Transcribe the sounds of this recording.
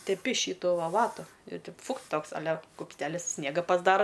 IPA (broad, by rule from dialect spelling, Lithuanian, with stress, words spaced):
tʲɛˈpʲɪ ˈʃʲiːtʊ ʋɐ ˈʋɑːtʊ ɪr tʲɛɪp ˈfʊkt ˈtoːks ɐˈlʲɛ kʊpʲsʲˈtʲæːlʲɪs ˈsʲnʲiɛɡɐ pɐzˈdɑːrɐ